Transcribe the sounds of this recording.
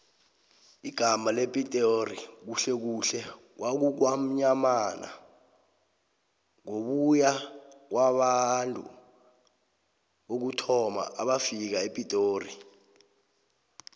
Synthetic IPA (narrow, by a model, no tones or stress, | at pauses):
iɡ̥ʱamalepʼitʼorik̬uɬɛk̬uɬɛ | wʔak̬uk̬wam̩ɲamana̰ | ŋoɓujak̬waɓantʼṵ | ɓok̬utʰɔma̰ʔaɓafik̬aepʼitʼoːri